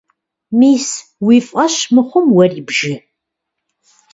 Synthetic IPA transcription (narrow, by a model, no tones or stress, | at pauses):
miːs | wifqɐʃmɨχʷʊmwɐribʒɪ